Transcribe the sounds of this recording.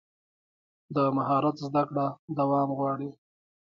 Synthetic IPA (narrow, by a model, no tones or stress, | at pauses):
d̪əmaɦɑɾat̪zd̪akɽad̪awɑmɣwɑɽi